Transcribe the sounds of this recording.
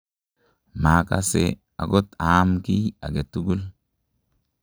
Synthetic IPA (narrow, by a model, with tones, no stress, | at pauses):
ma˨ka̰˦sḛ˨ | a̰˨ɡɔ˦t̪aː˨˦mki˦a̰˨ɡe˨t̪ːu˦ɡʊ˦l